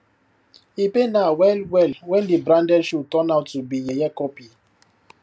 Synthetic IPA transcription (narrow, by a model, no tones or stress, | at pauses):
ipenawɛlwɛlwɛndibɾãndɛlʃutɔnaʊtubijejɛkɔpi